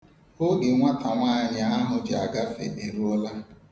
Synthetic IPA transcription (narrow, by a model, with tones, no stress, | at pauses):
ʊ˦ɡɪ˨ŋʷa˦tʰa˨ŋʷaː˦ɲa˨˦a˦ɦʊ˨d͡ʒa̰˨ɡa˦fḛ˨de˨ɾu˦ɔ˦la˦